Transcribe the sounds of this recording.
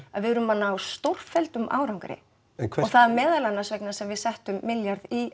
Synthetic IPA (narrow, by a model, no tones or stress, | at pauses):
aðvɪðɾʏmanːaːwst̪owr̥fɛlt̪ʏmʔa̰ːwɾawŋkɾɪ̰ | ɔɣθaðmɛːðalanːasvɛknasɛmvɪðsɛht̪ʏmːɪljaɾði